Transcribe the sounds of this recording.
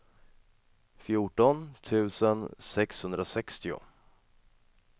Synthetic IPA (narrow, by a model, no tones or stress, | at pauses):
fjʊʈɔnt̪ʰʉ̟ːsənsɛkshɵnd̪ɾasɛkst̪ɪʊ̰